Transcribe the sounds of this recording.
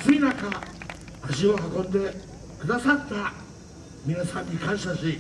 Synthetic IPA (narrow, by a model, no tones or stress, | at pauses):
sɨinakaː | ʑio̞hakõ̞nd̪e̞ | kɯd̪asat̪ːa | mʲinasãɲ̟ːikãɰ̃ɕaɕi